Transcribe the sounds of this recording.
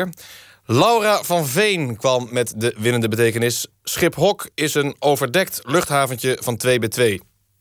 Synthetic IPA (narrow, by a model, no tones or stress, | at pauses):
lawravɑnvejnkʋɑmːɛtdəʋɪnəndəbətejkənɪsː | χɪpɦɔkɪsənowvəɹdɛktlɵχtɦaːvəncəv̥ɑntʋejbɛtʋej